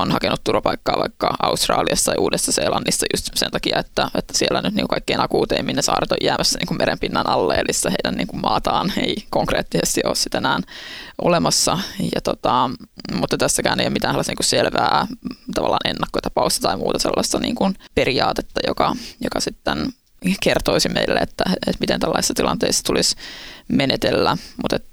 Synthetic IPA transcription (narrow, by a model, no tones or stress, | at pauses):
onhɑkenʔut̪t̪urʋɑpɑikːɑːʋɑikːɑɑust̪rɑ̰ːliɑst̪ɑjʔuːdesːɑseːlɑnːisːɑjust̪sent̪ɑkiɑet̪ːæet̪ːæ̥sielːænyt̪niːŋkukɑikːeinɑkuːt̪eiminːnesɑ̰ːrt̪ojæmæsːæniːŋkummeɾempinːænʔɑlːeːlʔisːɑheidænḭːŋkummɑːt̪ɑːneikoŋkreːt̪ːisest̪iʔo̰ːssit̪enæːnʔolemɑsːɑjɑt̪ot̪ɑmut̪ːɑt̪æsːækæːneijomit̪æːnhɑlːɑsniːkusselʋæːt̪ɑʋɑlːɑ̰ːnʔenːɑkːot̪ɑpɑust̪ɑt̪ɑimṵːt̪ɑselːɑst̪ɑnḭːŋkunperiɑːt̪et̪ːɑjokɑjokɑsit̪ːen | kert̪oisimʔeilːḛet̪ːæet̪mit̪ent̪ælːɑ̰isisːɑt̪ilɑnt̪eistːɑ̥t̪ulʔismenet̪elːæmut̪et̪